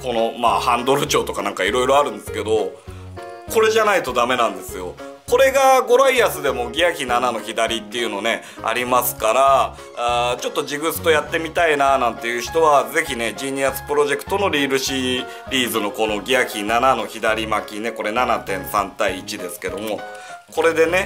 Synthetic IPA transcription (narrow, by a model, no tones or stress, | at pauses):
ko̞no̞ma̰ːhãnd̪o̞ɾɯ̟t͡ɕo̞ːt̪o̞kanãŋkaiɾo̞iɾo̞aɾɯ̟̃nd̪e̞sɨ̥ke̞d̪o̞ | ko̞ɾe̞ʑanait̪o̞d̪ame̞nãnd̪e̞sɨjo̞ | ko̞ɾe̞ɡaɡo̞ɾaiasɨd̪e̞mo̞ɡʲiakʲinanano̞çid̪aɾʲit̪ːe̞jɯ̟no̞ne̞ | a̰ɾʲimasɨ̥kaɾa | t͡ɕo̞t̪ːod͡ʑiɡɯ̟t͡sɨ̥t̪o̞jat̪ːe̞mʲit̪ainaːnãnt̪e̞jɯ̟çi̥t̪o̞βaze̞çine̞d͡ʑiːɲ̟iasɨ̥pɯ̟ɾo̞ʑe̞kɯ̟̥t̪o̞no̞ɾʲiːɾɯ̟ɕi | ɾʲiːzɨno̞ko̞no̞ɡʲiakʲinːanano̞çid̪aɾʲimakʲine̞ko̞ɾe̞nanat̪ẽ̞ɰ̃sãnt̪aiːt͡ɕid̪e̞sɨ̥ke̞d̪o̞mo̞ | ko̞ɾe̞d̪e̞ne̞